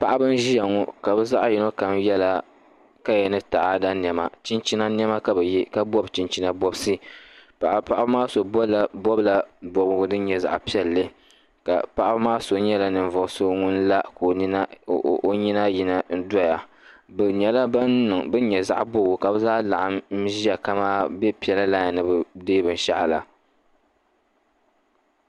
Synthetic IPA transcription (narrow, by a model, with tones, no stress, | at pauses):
pa˦ʔa˦bɨ˦n˦ʒi˦jɛ˨ŋɔ˦ka˨bɛ˦za˦ʔji˨˦no˦ka˨mjɛ˦la˦ | ka˦jɛ˨nɨ˦ta˨ʔa˦da˦n˨ɛ˨ma̰˨t͡ʃi˦nt͡ʃi˦na˦n˦ɛ˦ma˦ka˨bɛ˨ji˦ka˦bɔ˦bt͡ʃi˨nt͡ʃi˦na˦bɔ˦bsɨ˦ppa˦ʔa˦bmaː˦so˨bɔ˦la˨bɔ˦bla˨bɔ˨bɡʊ˦dɨ˦n˦ɲɛ˨za̰˨ʔpi˦ɛ˨lːɨ˦ | ka̰˨pa˦ʔa˦bmaː˦so˨ɲɛ˦la˨nɨ˨ɱ˨vʊ˨ʔso˦ŋʊ˦n˦la˦ko˨ni˦na˦˨ʔo˦ɲi˦na˦ji˨na˨n̩˦dɔ˦ja˨ | bɨ˨ɲɛ˨la˦ba˦nnɨ˨ŋbɨ˦n˦ɲɛ˨za˦ʔbʊ˦ɡʊ˨ka˨bɨ˦zaː˦la̰˨ʔa˦m˦ʒi˦a˨ka˦maː˦bɛ˦pi˨ɛ˨la˦la˦ɲa˨nɨ˨bɨ˨deː˦bɨ˨n˨ʃa̰˦ʔla˨